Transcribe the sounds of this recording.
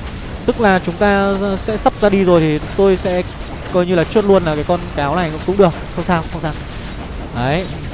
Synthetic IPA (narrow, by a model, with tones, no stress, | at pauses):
t̪ɨ˦˥k̚laː˨˩t͡ɕʊ˨˦ŋ͡mt̪aː˧sɛ̰˧˥sa˦˥p̚zaː˧ɗi˧zo˨˩jt̪ʰi˨˩˨ŋ͡mt̪o˧jsɛ̰˧˥ | kɔ˧jɲɨ˧laː˨˩t͡ɕu˦˥ət̚lu˧ənlaː˨˩kaː˨˦jkɔ˧nkaː˨˦wna̰˨˩jkʊ̰˧˥ŋ͡mkʊ̰˧˥ŋ͡mɗɨ˨˩ək̚xə˧wŋ͡msaː˧wxə˧wŋ͡msaː˧w | ʔə˨˦j